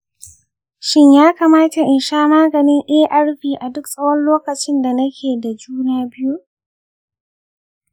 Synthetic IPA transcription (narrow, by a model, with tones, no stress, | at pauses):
ʃɪ˦ɲjaː˦kaː˨maː˦ta˨ʔɪ˨nʃaː˦maː˦ɡɐ˨nɪ˦ŋʔɛː˦ʔa˦ɽɸiː˨ʔa˨dʊ˦ksʼɐ˦wɐ˦nloː˦kɐ˨t͡ʃɪ˦nda˨nɐ˦kʲʰeː˨da˨d͡ʒuː˦naː˦bɪ˦ju˦ʔ